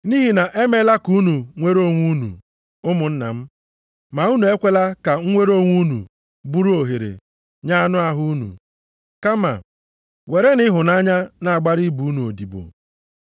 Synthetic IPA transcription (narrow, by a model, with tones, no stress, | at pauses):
ni˦ɦi˨na˨ʔe˦me˦la˦ku˦nu˨ŋʷe˦ɾo˦˨ŋʷu˦nṵ˨ | ʊ˦mʊ˨n̩˦na̰˨m̩˦ | ma˨u˦nu˨e˦kʷe˦la˦ka˨ŋ̩˦ŋʷe˦ɾo˦ŋʷu˦nṵ˨ | bu˦ɾu˦o˨ɦe˨ɾḛ˨ | ɲa˦a˦nʊ˦a˨ɦʊ˦nṵ˨ | ka˦ma̰˨ | we˨ɾe˦nɪ˦ɦʊ˨na˦ɲa˦na˨a˨ɡ͡ba˦ɾi˦bu˨˦nu˨o˨di˨bo̰˨